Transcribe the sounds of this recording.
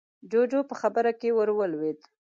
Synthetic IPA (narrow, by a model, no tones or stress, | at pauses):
d͡ʒod͡ʒopəxabəɾakewəɾwəlwed̪